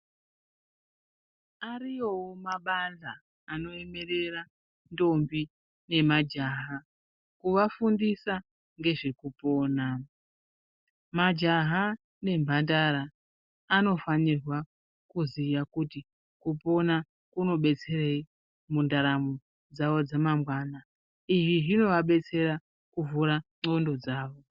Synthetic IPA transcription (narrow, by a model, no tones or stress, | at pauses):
arijowomaɓanzaː | no̞e̞me̞re̞ra | ndo̞mbi | ne̞mad͡ʒaɦa | kuʋafundisa | ŋɡe̞ʐekupo̞ːna | mad͡ʒaɦa | ne̞mbʱandaɾaː | no̞fanirwa | kuziʋakuti | kupo̞na | kuno̞ɓe̞t͡se̞rei | mundaɾamu | d͡zaʋo̞d͡zamamwaːna | ijiɦino̞ʋaɓe̞t͡se̞ɾa | kuvuɾaŋ͡ǀo̞ndo̞d͡zaːʋo̞